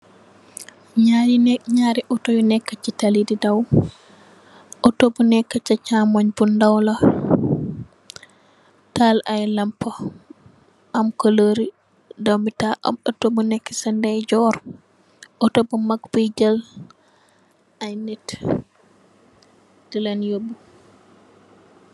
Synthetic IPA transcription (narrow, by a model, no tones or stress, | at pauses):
ɲaɾinɲaɾiʔɔtojunɛkːat͡ʃːitalididaw | ʔɔtobunɛkːat͡ʃat͡ʃamɔɲbundawla | talajlampːa | ʔamkoloɾi | dawmitaʔa̰mɗɔtobunɛkːḁsɛndɛjd͡ʒɔɾ | ɔtobɔmakbid͡ʒal | ʔajnit | d̥ilanjobu